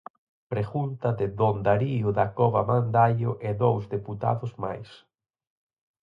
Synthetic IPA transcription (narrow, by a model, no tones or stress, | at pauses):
pɾeɣunt̪ɐðɪðond̪aɾiʊðakɔβamand̪aʎʊʔɛðowzðeput̪a̰ðʊzma̰js